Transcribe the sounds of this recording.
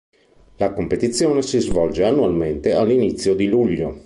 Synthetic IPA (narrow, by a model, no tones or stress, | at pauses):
lakompet̪it̪sːjoːnesizvɔld͡ʒeanːualment̪ealːinit̪sːjod̪iluʎːo